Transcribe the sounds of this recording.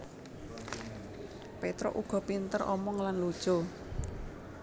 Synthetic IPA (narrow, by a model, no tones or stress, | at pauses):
pet̪ɾɔ̰ʔuɡ̥ɔ̤pint̪ərʔɔ̰mɔŋlanlod̥ʒ̥o